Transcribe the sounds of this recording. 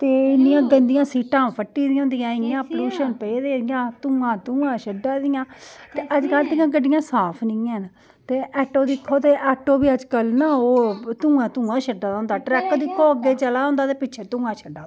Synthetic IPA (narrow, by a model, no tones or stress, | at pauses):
t̪eːɪnːɪjãːɡənd̪ɪjãːsiːʈãːmpʰəʈːiːd̪ĩɦʊ̃nd̪ɪjãːɪnɪãːpluːʃənpeːd̪eːd̪ɪjãːt̪ʊ̃ːãːt̪ʊ̃ːãːʃəɖaːd̪ɪjãːt̪eːʔəd͡ʒkəlt̪ɪjãːk̬əɖɪjãːsaːpʰnɪ̃ːãːn | t̪eːʔɛːʈoːd̪ɪkʰːoːt̪eːʔɛːʈoːbiːəd͡ʒkəlnaːoːt̪ũːãːt̪ũːãːʃəɖaːd̪ːʊ̃nd̪aːʈɾɛːkod̪ɪkʰːoːəɡːeːt͡ʃəlaːʊ̃nd̪aːt̪eːpɪtːʃʰeːt̪ʊ̃ːɡãːʃʰəɖːaː